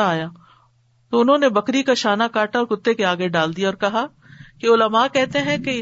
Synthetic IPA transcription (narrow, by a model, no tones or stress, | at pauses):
aːja | t̪oʊnɦõːnebɐkɾikaʃaːnakaːʈaɔːɾkʊt̪ːekeaːɡeɖaːld̪ijeɔːɾkɐɦa | keʊləmakɛɦt̪eɦɛ̃ke